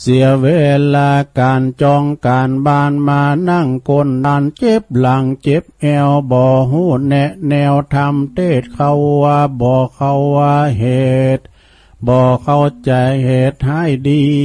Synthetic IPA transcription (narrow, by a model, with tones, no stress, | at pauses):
si˨˦əɐweː˧˩˧laː˧kaː˨nt͡ɕɔː˧ŋkaː˨nbaː˧˥˩nmaː˧na˧˥˩ŋkʰo˧˥˨nlaː˧˩nt͡ɕe˧˦p̚la˨˧˦ŋt͡ɕe˧˦˥p̚ʔɛː˧wbɔː˨˧ɦuː˧˥˩nɛ˧ʔnɛː˧wt̪ʰa˧mt̪ʰeː˧˥˩t̪̚kʰa˧˩wwaː˧bɔː˨˩kʰa˧˩wːaː˧ɦe˨˧˦t̪̚ | bɔː˨˧˩kʰa˧˩˨wt͡ɕa˨jhe˨˩t̪̚ha˧˥˨jdiː˧